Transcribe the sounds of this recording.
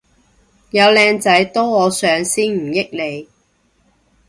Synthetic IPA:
jɐ˨˧wlɛː˧ŋt͡sɐ˨˥jt̪oː˥wɔː˨˧sœː˨˧ŋsiː˥nm̩˨˩jɪ˥k̚le˨˧j

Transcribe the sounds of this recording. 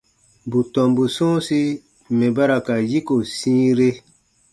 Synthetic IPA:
bu˨tɔ̃˨mbu˨sɔ̃˦si˦ | mɛ̃˨ba˦ɾa˨ka˨ji˦ko˨sĩː˦ɾe˦

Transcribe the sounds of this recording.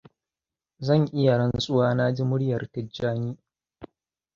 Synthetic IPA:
zɐ˦˨ŋʔɪ˦ja˨ɽɐ˦nsʼʊ˦waː˦na˦d͡ʒi˦mʊ˦ɽjɐ˨rtɐ˦d͡ʒːaː˦niː˦

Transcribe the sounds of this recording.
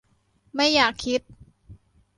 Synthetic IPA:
ma˥˩jːaː˨˩kʰːi˦˥t̪̚

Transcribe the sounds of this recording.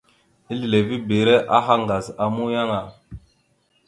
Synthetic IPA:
i˦li˨le˨vi˦be˨ɾɛ˦ʔa˦ɦa˦ŋɡa˨za˨mu˦ja˦ŋa˨

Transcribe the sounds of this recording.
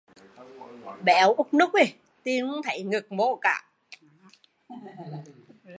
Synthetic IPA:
ɓɛ˧˩wʔʊ˦˥k͡p̚nu˦˥k͡p̚ʔi˨˩ | t̪i˧ən˦t̪ʰə˧˨˩jŋɨ˨˩k̚mo̰˧˨ka̰ː˧˩˨

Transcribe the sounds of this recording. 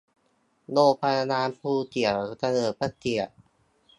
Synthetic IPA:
noː˧˩pʰa˧a˧naː˧mpʰuː˧t̪i˨˩ə˩ta˧nɤː˨˩pa˧˥t̪i˨˩ə˩ʔ

